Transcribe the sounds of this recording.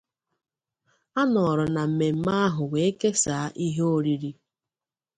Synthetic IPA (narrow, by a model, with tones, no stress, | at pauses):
a˦nɔ˨ɾʊ˨na˨m̩˨me˨m̩˦ma˦a˦ɦʊ˨we˨e˦ke˦sa˨˦ʔi˦ɦe˦o˦ɾi˨ɾi˦